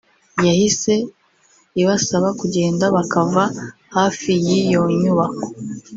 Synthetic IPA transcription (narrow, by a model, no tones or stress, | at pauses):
jahise̞ | iβasaβakuɟe̞ːndaβakava | hafijijoɲuβako̥